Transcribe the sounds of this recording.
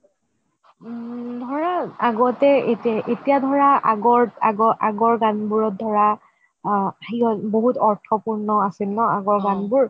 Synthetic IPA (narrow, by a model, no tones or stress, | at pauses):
dʱɔɹaaɡɔtɛetʔetijadʱɔɹaaɡɔɹaɡɔʔaɡɔɹɡanbuɹɔt̚dʱɔɹa | xiɔboɦutɔɹtʰɔpuɹnɔasilnɔaɡɔɹɡanbuɹ